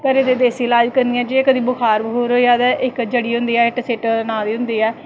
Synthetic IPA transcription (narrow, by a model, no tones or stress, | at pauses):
pəɾed̪eːd̪eːsiːlaːd͡ʒkəɾnd̪ĩɛ̃ːd͡ʒeeːkəd̪iːbʊkʰaːɾbɦoːɾoːiaːd̪ɛʔɪkd͡ʒəɽiːɦʊ̃nd̪iːɛːɪkseːʈnãːd̪iːɦʊ̃nd̪iːɛː